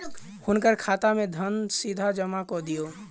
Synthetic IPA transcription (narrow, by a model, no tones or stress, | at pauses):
hunkəɾkʰat̪amed̪ʱənsid̪ʱad͡ʒəmakɔd̪ijo